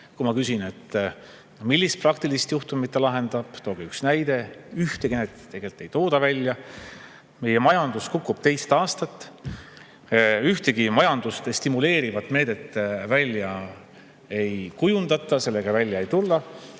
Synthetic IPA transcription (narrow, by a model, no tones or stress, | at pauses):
kumɑkysʲine̞t̪ːˑ | milːist̪̚prɑkt̪ilist̪juht̪umit̪ːˑelɑɦe̞nd̪̥ɑb̥t̪o̞ːɡ̥iyksnæjd̪̥e̞yht̪eɡ̥inet̪t̪ːe̞ɡe̞lt̪ːˑe̞jt̪o̞ːd̪̥ɑvælʲːjɑ | me̞jemɑjɑnd̪̥uskukːˑub̥t̪e̞jst̪ɑːst̪ɑt̪ːˑ | yht̪e̞ɡimɑjɑnd̪̥ust̪est̪imule̞ːɾivɑt̪ːˑme̞ːd̪̥e̞t̪ːˑvælʲjɑ | e̞jkujund̪ɑt̪ːˑɑse̞lːe̞ɡ̥ɑvælʲjɑe̞jt̪ulːɑ